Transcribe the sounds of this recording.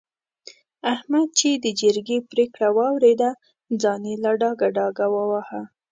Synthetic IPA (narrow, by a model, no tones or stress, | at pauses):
ahmad̪̚t͡ʃed̪əd͡ʒəɾɡepɾekɽawɑwɾed̪a | d͡zɑnelaɖɑɡaɖɑɡawəwaha